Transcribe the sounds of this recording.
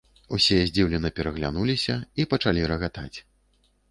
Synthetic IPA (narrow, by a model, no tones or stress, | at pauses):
usʲijɛzʲd͡zʲiwlʲɛnɐpʲɛɾɐɣlʲanulʲisʲɐipɐt͡ʂalʲiɾɐɣat̪at͡sʲ